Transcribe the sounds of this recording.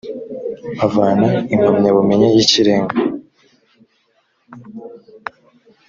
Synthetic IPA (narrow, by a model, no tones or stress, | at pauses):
avaːnaim̥amɲaβume̞ɲejiciɾeːŋɡa